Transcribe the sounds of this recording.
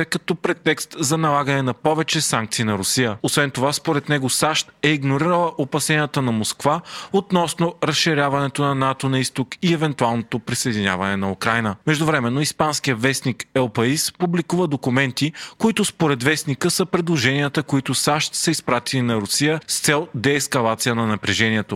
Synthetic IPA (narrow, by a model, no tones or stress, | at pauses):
ɛkɐt̪ɔpɾɛt̪ːɛkst̪zɐnɐlˠaɡənɛnɐpɔvɛt͡ʃɛsãŋk̚t̪sinɐɾʊsijəosvɛnt̪ovaspoɾɛt̪nɛɡosaʃt̪ɛiɡnoɾiɾəlˠəʔopɐsɛniət̪ənɐmoskvaot̪nɔsnoɾɐsʃiɾʲavɐnɛt̪onɐnat̪onɐist̪okiɛvɛnt̪ualˠnot̪opɾisɐjd̪inʲa̰vɐnɛnɐukɾajnəmɛʒd̪ʊvɾɛmɛnːoispanskijəvɛsnikɛlˠpɐispublikuvəd̪okumɛnt̪ikoit̪ʊspoɾɛt̪vɛsnikəsəpɾɛd̪lˠoʒɛnijət̪əkoit̪osaʃt̪sɐispɾat̪ilinɐɾʊsijəst̪sɛlˠd̪ɛːskɐlˠat̪sijənɐnɐpɾɛʒɛniɛt̪o